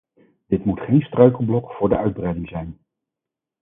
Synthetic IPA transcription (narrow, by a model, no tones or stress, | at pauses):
d̥ɪtmutχejnstrœɥkəl̩ˠblɔkfʊːɹdəœɥd̚brɛjdɪŋzɛjn